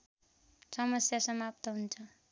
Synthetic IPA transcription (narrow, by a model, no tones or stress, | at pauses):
sʌmʌsjasʌmap̚t̪ʌɦunt͡sʰʌ